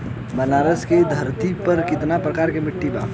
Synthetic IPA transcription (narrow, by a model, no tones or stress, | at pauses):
bɐnaːɾəsked̪ʱɐɾt̪ipɐɾkɪt̪napɾəkaːɾkemɪʈːiba̰ː